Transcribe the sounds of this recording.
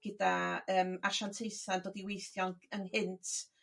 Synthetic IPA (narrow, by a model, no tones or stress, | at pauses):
ɡ̥ədaəːmarʃantʰejθandoːdiwejθjɔnənhɪntʰ